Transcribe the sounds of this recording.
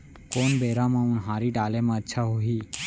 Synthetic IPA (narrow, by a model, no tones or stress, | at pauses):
koːnbeːɾãmãunɦaːɾiːʈaːlemãːətːʃʰaɦoɦiː